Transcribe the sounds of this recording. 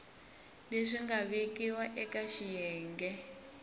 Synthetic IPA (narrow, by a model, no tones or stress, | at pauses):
leʂiŋɡaβikʼiwaʔɛkaʃijɛːŋɡɛ